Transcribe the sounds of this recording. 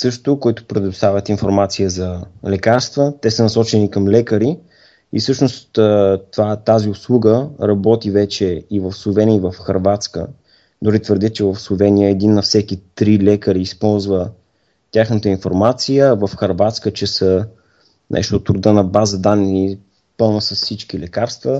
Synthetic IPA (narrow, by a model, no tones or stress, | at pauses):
sɤʃt̪ʊkʊɛt̪ʊ̥pɾɛd̪ʊst̪avʲət̪infoɾmat̪sijəzɐlɛkaɾst̪vət̪ɛsənɐsɔt͡ʃɛnikəmlɛkəɾi | ifsɤʃnost̪ːt̪ovat̪aziʊslˠuɡəɾɐbɔt̪ivɛt͡ʃɛivəfslˠovɛniəvəfxɐɾvat̪skə̰ | d̪ʊɾit̪vəɾd̪ɛt͡ʃɛvəfslˠovɛnijəɛd̪inːɐfsɛkit̪ɾilɛkəɾiːspɔlˠzvə | t̪ʲjaxnət̪əinfoɾmat̪sijəvəfxɐɾvat̪skət͡ʃɛsə | nʔɛ̰ʃt̪ot̪ɾʊd̪ənɐbazəd̪anːi | pɤlˠnəsəssit͡ʃkilɛkaɾst̪və